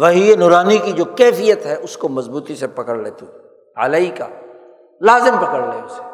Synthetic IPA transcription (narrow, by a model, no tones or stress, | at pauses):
ʋɐɦienʊːɾaːnikid͡ʒoːkɛːfijət̪ɦɛʔʊskomɐzbuːt̪isepɐkəɽleːt̪ii | ɐ̰lɐika̰ː | laːzɪmpɐkəɽleiʊse